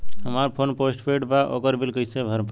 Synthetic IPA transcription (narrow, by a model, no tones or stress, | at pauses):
ɦəmaɾpʰonposʈpʰeʈbaʔokəɾbilkəjsebʱəɾp